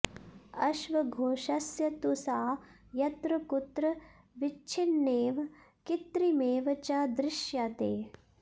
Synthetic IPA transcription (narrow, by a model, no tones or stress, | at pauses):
ɐʃʋɐɡʱoːʃɐsjɐt̪usaːjɐt̪ɾɐkut̪ɾɐ | ʋit͡ʃʰinːeːʋ | kit̪ɾimeːʋɐt͡ʃad̪ɾɪʃjaːt̪eː